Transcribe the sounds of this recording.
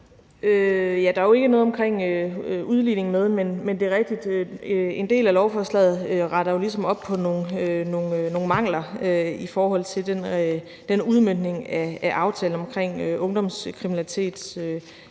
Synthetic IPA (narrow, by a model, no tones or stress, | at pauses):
øjæd̥ɑ̈æjoe̝ɡ̥ənɔ̽ːð̞ˠɒ̽mkʰʁeŋ̰øuðˠline̝ŋ̩með̞ˠmenmend̥e̝ʁɛɡ̥̚d̥id̥øe̝nd̥e̝̰ːlælɒʊfɒslɛ̰ːð̩ˠøʁɑ̈ɾ̥ɐjo̝lis̬ɒ̽mɒ̽b̥̚pʰɒ̽no̝nøno̝nno̝ːn̩mɑ̈ŋ̰lɐøifɒːɦɒ̽l̰t͡sʰe̝ld̥en | d̥enuð̞ˠmønd̥ne̝ŋææʔɑ̈ʊt͡sʰɛ̰ːln̩ɒ̽mkʰʁeŋ̰ʔɔ̽ŋd̥ɒ̽mskʰʁiminælit͡sʰe̝̰ːd̥sø